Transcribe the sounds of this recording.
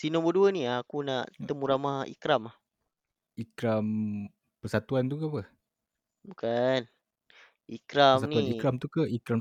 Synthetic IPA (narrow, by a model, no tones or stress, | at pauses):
sinɔ̃mboduəniakunaʔt̪əmuɾamaḭkɾamah | ikɾam | pərsat̪uant̪ukapə | bukan | ikɾamsaniuanikɾamt̪ukaikɾam